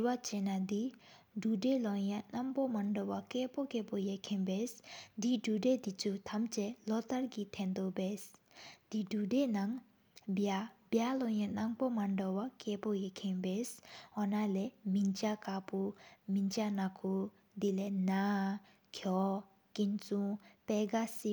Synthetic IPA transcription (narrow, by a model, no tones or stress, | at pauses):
wat͡ɕenad̪i | ɖ͡ʐudelɔjanaŋpomaɳdowakɛːpokeːpojeʔkʰenbesd̪iɖ͡ʐuded̪it͡sʰut̪ʰamt͡ɕɛlɔt̪aɹkit̪ʰɛnd̪oʔbes | d̪̥iɖ͡ʐudenaŋ | bjabjalɔjanaŋpomaɳdowakɛːpojekʰenbesɦɔnalɛmint͡ɕakapumint͡ɕanakʰu | d̪ilena | kʰɔ | kint͡suŋpɛːɡasi